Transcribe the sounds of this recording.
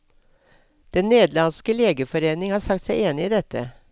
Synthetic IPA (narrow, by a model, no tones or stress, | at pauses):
d̪̥ɛnneːd̪lɑnskəleːɡəfɔɾeːnɪŋhɑːɾsɑk̚t̪sæɪeːnɪiːd̪ɛt̪ʰə